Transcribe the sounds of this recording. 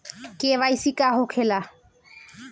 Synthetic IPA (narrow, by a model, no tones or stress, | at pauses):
keβajsikaɦokʰela